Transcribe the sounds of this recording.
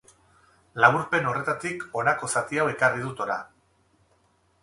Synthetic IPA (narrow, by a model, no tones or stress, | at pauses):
laβuɾpe̞no̞re̞t̪at̪iko̞nako̞sat̪iawe̞kariðut̪o̞ɾa̰